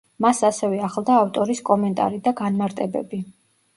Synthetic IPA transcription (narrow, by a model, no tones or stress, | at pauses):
masasɛvɛaχlˠd̪aːft̪ʼɔɾiskʼɔmɛnt̪ʼa̰ɾid̪aɡanmaɾt̪ʼɛbɛbi